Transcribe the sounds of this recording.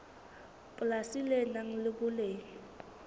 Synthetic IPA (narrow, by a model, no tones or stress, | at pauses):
pʼʊlasilɛnaŋ̩lɪbʊleːŋi